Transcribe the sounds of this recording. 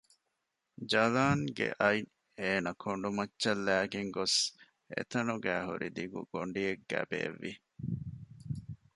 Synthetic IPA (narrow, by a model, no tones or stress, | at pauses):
d͡ʒɐlaːŋɡḛʔɐj | eːnɐkʰoɳɖumɐtːʃɐlːæːɡeŋɡos | ḛt̪ɐnuɡæːɦuɾid̪iɡṵɡ̥oɳɖieɡːæ̰ːbḛːʋːi